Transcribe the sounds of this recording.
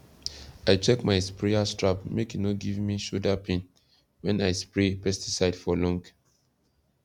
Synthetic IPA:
aɪt͡ʃɛkmaɪspɹeastɹapmekjunoɡivmiʃudapʰẽn | wɛ̃najspɹepɛstisaɪd̥fɔlɔ̃ŋk

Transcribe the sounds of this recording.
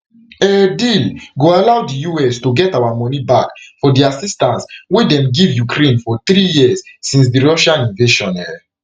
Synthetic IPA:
ɛdilɡoalawdijuɛstuɡɛtawamɔ̃nibakfɔdiasistãnswedɛ̃mɡivjukɾẽnfɔt̪ɾijiəsːĩns̬diɹɔʃãnĩnveʃɔ̃nɛl

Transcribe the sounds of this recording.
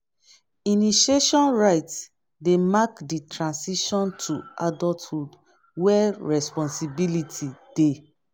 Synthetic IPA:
iniʃeʃɔ̃nɹaɪts | demakditʰɹãnsiʃɔ̃ntʰuadɔlthud | wɛɹɛspɔ̃nsibilitʰid̥e

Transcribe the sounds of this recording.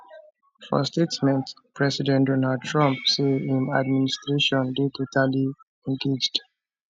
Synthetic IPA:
fɔ̰steksmɛ̃nt | pɹɛsidɛ̃ndɔnald̚tʰɹãmp̚seĩma̰d̚ministɹeʃɔ̃ndetʰotʰali | ɛ̃nɡed͡ʒd

